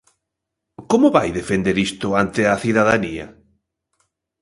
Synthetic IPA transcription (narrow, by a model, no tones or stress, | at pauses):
komʊβajðefend̪eɾist̪ʊant̪eaθiðaðaniɐ̰